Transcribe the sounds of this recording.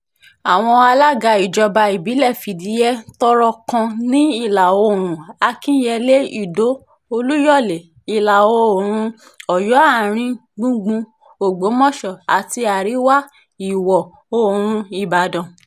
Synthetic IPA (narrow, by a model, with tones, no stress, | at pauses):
a˨w̃ɔ̃˧a˧la˦ɡa˧i˨d͡ʒɔ˧ba˧i˨bi˨˦lɛ˦˨fi˨di˨˦jɛ˦tɔ˦ɾɔ˧kã˧nĩ˦i˦˨la˨wo˧˨ɾ̃ũ˨a˧kĩ˦jɛ˧le˦i˦˨do˨˦ | o˧lu˦jɔ˦˨le˨ | i˨la˨wo˧˦˨ɾ̃ũ˧ | ɔ˨jɔ˨˦a˦˨ɾ̃ĩ˧ | ɡ͡bũ˧ɡ͡bũ˧ | o˨ɡ͡bo˨˦mɔ̃˦˨ʃɔ˨a˨ti˧a˨ɾi˨˦wa˦ | i˨wɔ˨ | o˧˨ɾ̃ũ˧i˨ba˨dɔ̃˨